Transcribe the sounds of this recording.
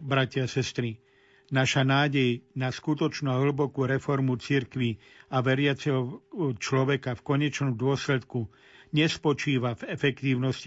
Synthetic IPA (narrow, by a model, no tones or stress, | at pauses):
bɾacɪasɛst̪ɾi | naʃanaːɟɛjnaskut̪ɔt͡ʃnuaɦl̩bɔkuːɾɛfɔɾmut͡siɾkʋi | aʋɛɾɪat͡sɛɦɔt͡ʃlɔʋɛkafkɔɲɛt͡ʃnɔmd̪ʊɔslɛt̪ku | ɲɛspɔt͡ʃiːʋavɛfɛkt̪iːʊnɔsci